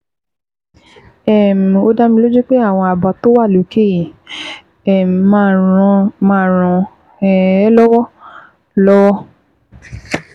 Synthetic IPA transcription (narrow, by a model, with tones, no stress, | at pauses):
ɛ˦˨m̩˨o˧da˧mĩ˧lo˦d͡ʒu˦k͡pe˦a˦˨w̃ɔ̃˧a˨ba˨to˦wa˦˨lo˨˦kʰe˦˨ji˨ | ɛ˦˨m˨mã˧mã˧˨˦ɾ̃ɔ̃˧ | ɛ˨ɛ˦lɔ˦wɔ˦ | lɔ˦wɔ˦